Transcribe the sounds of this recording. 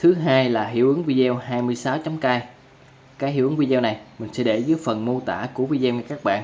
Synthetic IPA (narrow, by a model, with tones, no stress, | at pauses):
t̪ʰɨ˨˦ɦaː˧jlaː˨˩ɦi˧˩əwʔɨ˨˦ŋvi˧zɛ˧wɦaː˧jmɨ˧əjsaː˨˦wt͡ɕɔ˨˦mkaː˧j | kaː˨˦˥jhḭ˧˨ʔɨ˨˦ŋvi˧ɛ˧wna˨˩jmï˨˩ŋ̟sɛ̰˧˥ɗe˧˩zəː˨˦əjfə˨˩nmo˧t̪a̰ː˧˩ku˧˩əvi˧zɛː˧wɲa˧˩kaː˦˥k̚ɓa̰ː˧˨nʔ